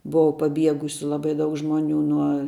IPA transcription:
ˈbʊʋɐ pɐˈbʲiɛɡʊsʲʊ ˈlˠɑːbɐɪ ˈdɐʊk ˈʒmoːnʲʊ nuɔ

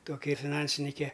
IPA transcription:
ˈtoːkʲɪ fʲɪˈnɐnʲsʲɪnʲɪkʲɛ

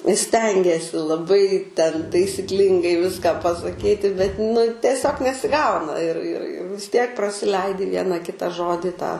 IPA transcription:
ɪ ˈsʲtʲɛŋʲɡʲiɛsʲɪ lˠɐˈbɐɪ tʲɛn tɐɪsʲɪkˈlʲɪŋɡɐɪ ˈʋʲɪskɑː pɐsɐˈkʲiːtʲɪ bʲɛt nʊ tʲɛˈsʲoːk nʲɛsʲɪˈɡɐʊnɐ ɪr ɪr ɪ ʋʲɪs ˈtʲiɛk prɐsʲɪˈlʲɛɪdʲɪ ˈʋʲiɛnɐ ˈkʲɪtɐ ˈʒoːdʲɪ tɑː

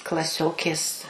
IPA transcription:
klˠɐˈsʲoːkʲeːs

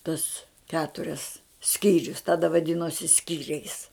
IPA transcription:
tʊs ˈkʲæːtʊrʲɛs ˈsʲkʲiːrʲʊs ˈtɑːdɐ ʋɐˈdʲɪnoːsʲɪ ˈsʲkʲiːrʲɛɪs

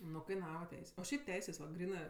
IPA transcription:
ˈnʊ kɐɪˈnɑːʋɐ ˈtʲɛɪsʲ oː ˈʃʲɛɪp ˈtʲɛɪsʲeːs ʋɐ ˈɡrʲiːnɜ

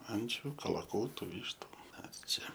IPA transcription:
ˈɐnʲt͡ʃʲʊ kɐlˠɐˈkuːtʊ ˈʋʲiːʃtʊ ˈmʲɛs ˈt͡ʃʲɛ

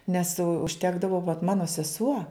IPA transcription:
nʲɛs ʊʃʲˈtʲæːɡdɐʋoː ʋɐt ˈmɑːnoː sʲɛˈsuɔ

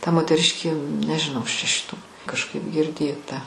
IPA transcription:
tɐ moːtʲɛˈrʲɪʃʲkʲeː nʲɛʒʲɪˈnɐʊ ˈɐʃ t͡ʃʲɛ ʃʲɪˈtuː kɐʃˈkɐɪp ɡʲɪrʲˈdʲeːtɐ

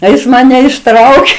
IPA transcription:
tɐɪ ˈjɪs mɐˈnʲɛ ɪʃˈtrɐʊkʲeː

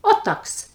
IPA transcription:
oː ˈtɐks

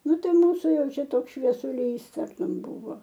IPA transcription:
ˈnʊ ˈtɐɪ ˈmuːsʊ ˈjɛʊ ˈt͡ʃʲɛ ˈtoːks ʃʲʋʲiɛsʊˈlʲiːs ˈtɐrtʊm ˈbuːʋoː

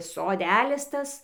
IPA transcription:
soːˈdʲælʲɪs ˈtɐs

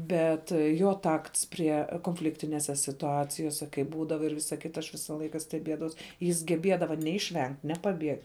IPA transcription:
ˈbʲɛt ˈjoː ˈtɐkts ˈpʲrʲiɛ koːnʲˈfʲlʲɪktʲɪnʲeːsʲɛ sʲɪtʊˈɑːt͡sʲɪjoːsʲɛ kɐɪ ˈbuːdɐʋɐ ɪr ˈʋʲɪsɐ ˈkʲɪtɐ ɐʃ ˈʋʲɪsɐ ˈlˠɐɪkɐ sʲtʲɛˈbʲiɛdɐʋɐʊs jɪs ɡʲɛˈbʲiɛdɐʋɐ ˈnʲɛ ɪʃʲˈʋʲɛŋktʲ ˈnʲɛ pɐˈbʲiɛktʲ

